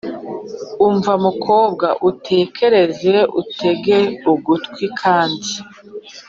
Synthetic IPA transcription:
uɱvamukʰo̞ːbɡaʔutʰe̞ːkʰe̞ɾe̞ze̞ʔṵtʰe̞ɡe̞uɡutkwikʰaːndi

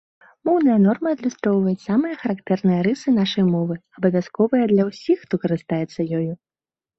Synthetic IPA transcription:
mɔwnɐjɐnɔrmɐːd̪lʲust̪ɾɔwvɐjɛsamɨjɐxɐɾakt̪ɛrnɨjɐɾɨsɨnaʂɐjmɔvɨɐbɐvʲaskɔvɐjɐd̪lʲɐwsʲixːt̪ɔkɐɾɨst̪ajɛt̪sːɐjɔju

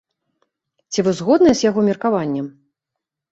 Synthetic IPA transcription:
t͡sʲivɨzɣɔd̪nɐjɛzʲjaɣɔmʲirkavanʲːɛm

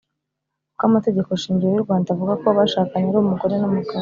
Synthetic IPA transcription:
kamate̞ɟe̞ko̞ʃiːɲɟijewuɾɡwaːndaavuɡakoβaʃaːkaɲeɾoβumuko̞ɾe̞nomuka

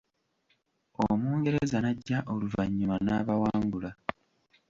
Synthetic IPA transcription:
omuːŋɡe̞ɾezanaɟːaʔoluvaɲːumanaːβawaːŋɡula

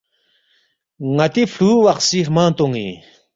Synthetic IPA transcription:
ŋat̪ipʰuwaχsirmat̪oŋːḭ

